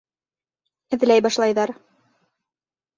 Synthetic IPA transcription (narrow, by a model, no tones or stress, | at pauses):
ɘ̆ð̆læjbɑʃlˠɑjðɑɾ